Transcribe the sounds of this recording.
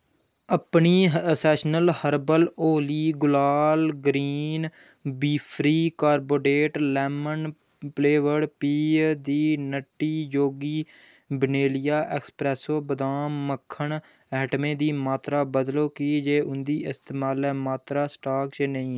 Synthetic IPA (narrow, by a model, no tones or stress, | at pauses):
əpɳiːɦəsɛːʃnəlhəɾbəloːliːɡʊlaːlɡɾiːn | biːpʰɾiːkaːɾboːɖeːʈlɛːmən | pleːʋəɽpiːd̪iːnəʈːiːjoːɡiː | bəneːlɪjaːʔɛːkspɾɛːsoːbəd̪aːməkʰːəɳ | ɛːʈmẽːd̪iːmaːt̪ɾaːbəd̪loːkiːd͡ʒeːʔʊnd̪iːɪst̪eːmaːlɛːmaːt̪ɾaːsʈaːkt͡ʃnəĩː